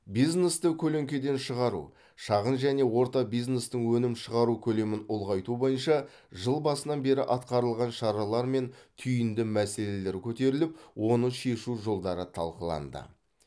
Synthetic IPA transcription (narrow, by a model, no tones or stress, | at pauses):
bijznest̪əkʲʰɵle̞ŋkʲe̞d̪e̞nʃəʁɑɾṵ | ʃɑʁənʒæne̞wo̞ɾt̪ɑbijznest̪əɴwɵnɪmʃəʁɑɾukʲʰɵle̞mɪnʊlˠʁɑjt̪ubo̞jənʃɑ | ʒəlˠbɑsənɑnbe̞ɾɪʔɑt̪qɑɾəlˠʁɑnʃɑɾɑlˠɑɾme̞nt̪ʰʏjɪnd̪ɪmæse̞le̞le̞ɾkʲʰɵt̪e̞ɾɪlɪpwo̞nəʃe̞ʃuʒo̞lˠd̪ɑɾət̪ʰɑ̰lˠqəlˠɑ̰nd̪ə̰